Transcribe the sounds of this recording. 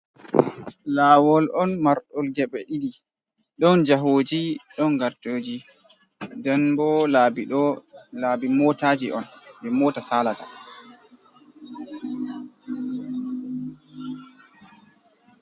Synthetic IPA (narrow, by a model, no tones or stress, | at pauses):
laːwɔlʔɔnmaɾɗɔlɡɛɓɛɗidi | ɗɔnd͡ʒaɦoːd͡ʒiɗɔnɡaɾtoːd͡ʒi | dɛnbɔlabɔlabimɔtaːd͡ʒiʔɔnbɛmɔːtasaːlata